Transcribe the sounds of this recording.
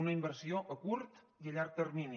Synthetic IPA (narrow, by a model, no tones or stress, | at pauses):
unəimbəɾsioʔəkuɾt̪ | iəʎaɾk̚t̪əɾmini